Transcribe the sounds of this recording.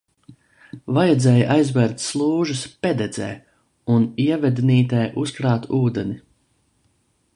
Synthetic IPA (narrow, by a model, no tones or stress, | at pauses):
vajɛd̪zɛːjʔajzvɛɾt̪ʲslˠuːʒɨspʲed̪ɛd̪zɛ̰ː | uniɛvɛd̪ʲniːt̪ɛːʔuskɾaːt̪uːd̪ɛni